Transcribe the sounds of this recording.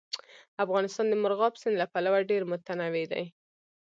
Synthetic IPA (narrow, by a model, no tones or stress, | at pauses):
afɣɑnɪst̪ɑnd̪əmʊɾɣɑpsɪnlapalawaɖeɾmʊt̪anawed̪a̰j